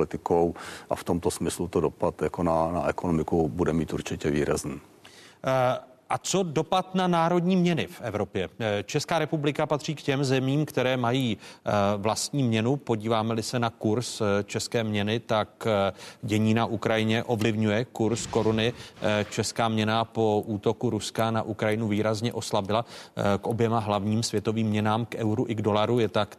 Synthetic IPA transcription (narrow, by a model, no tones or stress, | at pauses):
lɪt̪ɪkowʔa̰ft̪omt̪osmɪslut̪odopat̪jakonanaʔɛkonomɪkubudɛmiːt̪uɾt͡ʃɪcɛvḭːɾa̰zniː | ʔat͡so̞do̞pat̪nanaːɾo̞dɲiːmɲɛnɪfʔɛvɾo̞pjɛt͡ʃɛskaːɾɛpublɪkapat̪r̥iːkcɛmzɛmiːmkt̪ɛɾɛːmajiː | vlast̪ɲiːmɲɛnupo̞ɟiːvaːmɛlɪsɛnakuɾst͡ʃɛskɛːmɲɛnɪt̪akɟɛɲiːnaʔukɾajɪɲɛʔo̞vlɪvɲujɛkuɾsko̞ɾunɪt͡ʃɛskaːmɲɛnapo̞ʔuːt̪o̞kuɾuskanaʔukɾajɪnuviːɾazɲɛʔo̞slabɪlakʔo̞bjɛmaɦlavɲiːmsvjɛt̪oviːmːɲɛnaːmkɛwɾuʔɪɡdo̞laɾujɛt̪ak